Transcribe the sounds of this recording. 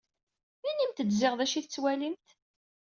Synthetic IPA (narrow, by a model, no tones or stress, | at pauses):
inimt̪əd̪zɪʁðæʃiθət͡sːwælimt̪